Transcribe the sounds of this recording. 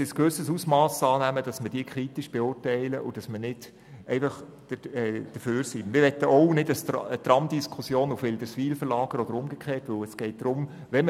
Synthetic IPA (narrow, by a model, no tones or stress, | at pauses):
ɪskʋɵsəsusmɑːsɑːnæməd̥ɑsməd̥iːkʰɾitiʃb̥eʊːrtɛɪləʔʊd̥ɑsmənɪd̥ | ɛɪfɑχ | d̥əɛd̥əføːɾsimɪɾʋɛt̪ːəʔɔwnɪdəstət̪rɑmd̪iskʰusjoːnufʋɪld̥̪əɾsʋiːlfəɾlɑːɡ̥əɾɔd̥̪əɾʊmɡ̥ekʰχeːtʋɵwɛsɡ̥ɛɪt̚d̥ɾʊm | ʋɛm